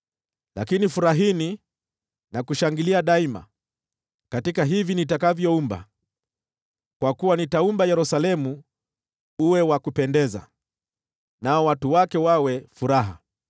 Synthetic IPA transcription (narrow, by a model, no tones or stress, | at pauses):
la̰kinifuɾaɦini | nakuʃaŋɡiliaɗaima̰ | katikaɦivinitakavjɔumba̰ | kwakuwanitaumbajɛɾusalɛmu | uwɛwakupɛndɛza̰ | naɔwatuwakɛwawɛfuɾaɦa